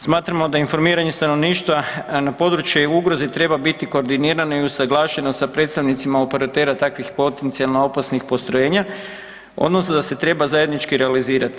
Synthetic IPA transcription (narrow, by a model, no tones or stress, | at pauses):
smaːt̪ɾamo̞d̪ainfo̞ɾmiːɾaɲe̞st̪ano̞ʋniːʃt̪ʋanapo̞d̪ɾut͡ʃjeuɡɾo̞zit̪ɾe̞babit̪iko̞ːɾd̪iniːɾanoiusaɡlˠaːʃe̞nosapɾe̞t̪st̪aʋnit̪simaope̞ɾat̪e̞ːɾat̪akʋixpo̞t̪e̞nt̪sialˠnoo̞pasnixpo̞st̪ɾoje̞ːɲa | o̰d̪no̞snod̪ase̞t̪ɾe̞bazaje̞d̪nit͡ʃkiɾealiziːɾat̪i̥